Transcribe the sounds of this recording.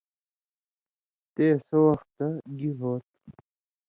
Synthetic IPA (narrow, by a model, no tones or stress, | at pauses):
t̪eːsowɐxt̪ːaɡiɦoːt̪̚